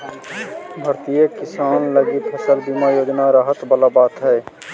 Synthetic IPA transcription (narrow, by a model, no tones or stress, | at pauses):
bʱəɾt̪ijəkɪsaːnləɡipʰəsəlbimajoːd͡ʒnaɾəɦət̪bəlabaːt̪ɦɛː